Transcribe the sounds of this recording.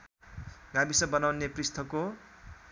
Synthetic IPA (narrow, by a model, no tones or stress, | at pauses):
ɡabisʌbʌnawneprist̪ʰʌko